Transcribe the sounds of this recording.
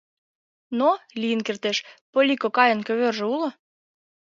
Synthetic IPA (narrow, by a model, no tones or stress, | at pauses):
nolʲijənkert̪eʃpolʲikokɑjə̆nkøβørʒĕulŏ